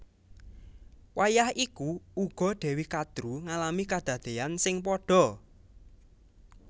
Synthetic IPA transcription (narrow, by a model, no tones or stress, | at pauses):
wajahikuuɡ̥ɔ̤ɖ̪̥ɛ̤wikad̪̥ɾuŋalamikad̪̥ä̤d̪̥eansɪŋpɔɖ̥ɔ̤